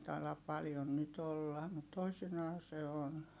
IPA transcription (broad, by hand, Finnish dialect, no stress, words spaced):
tɑilɑp pɑljon nyt olːɑ mut toisinɑː se on